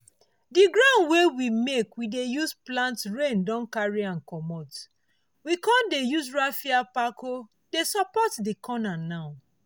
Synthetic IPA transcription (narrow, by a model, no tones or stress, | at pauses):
diɡɹãʊ̃ndwewimekwidejusplãntɹẽndɔ̃nkaɹiãnkɔmɔt | wikɔ̃ndejuzɹafiapako | desɔpɔtdikʰɔnanaʊ